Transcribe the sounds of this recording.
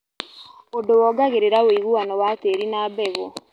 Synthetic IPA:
odowɔːɡaɣeɾeɾawiɣuwanɔwateɾinaːbɛɣɔ

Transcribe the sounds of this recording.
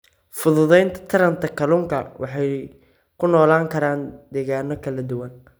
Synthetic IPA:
fʊðʊðɛjnt̪ʰɐ̥t̪ʰɐɾɐnt̪ʰɐkʰɐluːŋkʰɐwʔɑ̰ħɑj | kʰʊnɔːlaːŋkʰɐɾaːnd̪ɛːɣaːnɔkʰɐlɐd̪ʊwɐn

